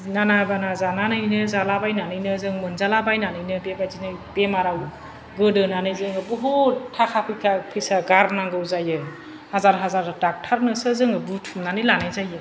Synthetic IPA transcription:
nanabanazananɯjnɯzalabajnanɯjnɯzɯŋmɯnzalabajnanɯjnɯbebazinɯb̥emaɾaw | ɡɯdɯnanɯjzɯŋɯbuɦotʰakʰapʰɯjkʰapʰisaɡaɾnaŋɡɯwzajɯ | hazaɾɦazaɾtak̚tʰaɾnɯsɯzɯŋɯbutʰumnanɯjlanajzajɯ

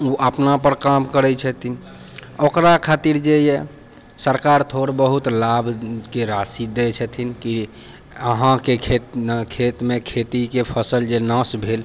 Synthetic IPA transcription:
uʔəpnapəɾkamkəɾɛt͡ʃʰət̪ʰin | okɾakʰat̪iɾd͡ʒeje | səɾkaɾt̪ʰoɾbəɦut̪labʱkeɾasid̪ɛt͡ʃʰət̪ʰinki | əɦãkekʰet̪kʰet̪mekʰet̪ikepʰəsəld͡ʒenãsbʱel

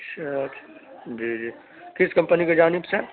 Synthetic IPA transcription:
ʃʰɐt̪d͡ʒiːd͡ʒiː | kɪskɐ̃mpəniked͡ʒaːnɪbse

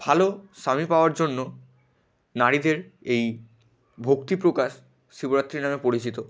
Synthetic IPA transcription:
bʱaloʃamipaoaɾd͡ʑonːo | naɾid̪eɾej | bʱokt̪ipɾokaʃ | ʃiboɾat̪ːɾiɾnamepoɾit͡ɕit̪o

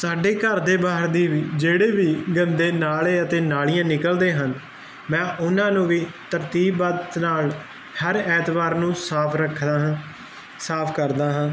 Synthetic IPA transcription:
saːɖeːkəɾd̪eːbaːɦəɾd̪iːʋiːd͡ʒeːɽeːʋiːɡənd̪eːnaːleːət̪eːnaːɭijãːnɪkəld̪eːɦən | mɛ̃ːʔʊnãːnũːʋiːt̪əɾt̪iːbat̪naːl | həɾɛːt̪baːɾnũːsaːpʰɾəkʰː | saːpʰkəɾd̪aːɦãː

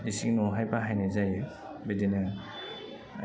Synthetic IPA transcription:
disiŋnoɦajbaɦajnazajɯ | bedenɯ

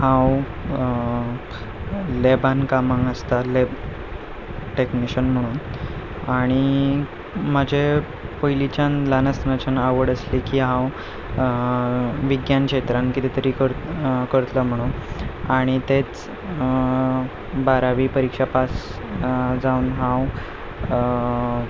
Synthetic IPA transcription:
hãw | lebankamãŋɡəst̪aleb | ʈekniɕənm̤əɽ̃uːn | aɽ̃i | məd͡ʑʱe | pəjlit͡ɕanlanəsnət͡ɕənaʋəɽəslikiːɦãw | ʋiɡjanket̪ɾãnkit̪it̪əɾiːkəɾkəɾt̪ləm̤əɽ̃unaɽ̃it̪et͡s | baɾaʋiːpəɾikʂapas | d͡zaunɦãw

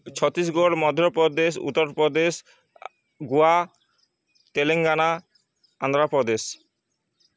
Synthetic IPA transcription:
t͡ɕʰɔt̪ɾisɡoɽmɔd̪ʱjɔpɾɔd̪eʃṵt̪ːɔɾpɾɔd̪es | ɡua | t̪eleŋɡana | and̪ɾapɾɔd̪es

